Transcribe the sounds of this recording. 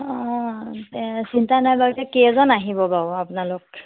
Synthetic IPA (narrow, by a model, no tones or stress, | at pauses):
ɔ̃ | sintanajbaɡitɛkezɔnaɦibɔbaʊapʊnalʊk̚